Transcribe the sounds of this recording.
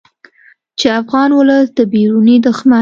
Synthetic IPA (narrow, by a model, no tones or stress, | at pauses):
t͡ʃeafɣɑnwʊləd̪əbiɾunid̪ʊxma